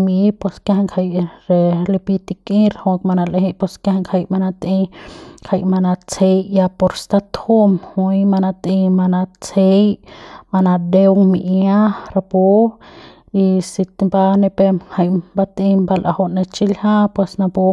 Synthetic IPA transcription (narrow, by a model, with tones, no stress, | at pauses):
mi˦pwe˧skja˧ha˧ŋkha˧jɾe˧li˧pi˧t̪i˧ki˦ɾho˧kma˧na˧lehe˦pwe˧ska˦a˧ŋkʰha˧jma˧na˧t̪i˧kha˧jma˧na˧t͡se˧jja˧po˧ɾst̪a˧t̪u˦mhu˧jma˧na˧t̪i˧ma˧na˧t͡se˧jma˧na˧d̪e˧wmḭ˧ʔja˦ɾa˧po˦ | i˧si˧t̪mba˧ne˧pe˧mha˧jba˧t̪ĩ˧mba˧lʔa̰˧ho˧ne˧t͡ʃi˦lha˦pwe˧sna˧po˧